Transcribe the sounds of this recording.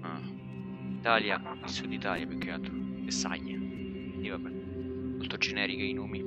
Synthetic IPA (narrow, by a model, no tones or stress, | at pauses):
a | it̪aːlja | ilsud̪ːit̪aːljapekːeat̪od̪esa̰ɲːa | id̪iːvap | molt̪od͡ʒenɛːɾikeinoːmi